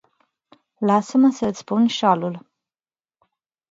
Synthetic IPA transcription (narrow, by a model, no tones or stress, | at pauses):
lasəməsəɨt̪ssʲpunʃalul